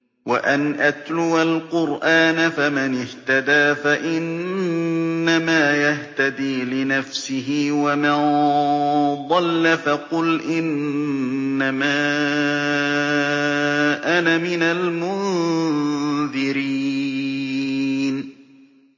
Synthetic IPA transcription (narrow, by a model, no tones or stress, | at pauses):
wa̰ʔanʔat̪lʊwalqʊɾʔaːnafamɪnɪht̪ad̪aːfaʔɪnː | amaːjaht̪ad̪iːlɪnafsɪɦɪwaman | ðˤɑlːafɑqʊlʔɪnː | amaː | ʔanamɪnalmʊn | ðɪɾi | n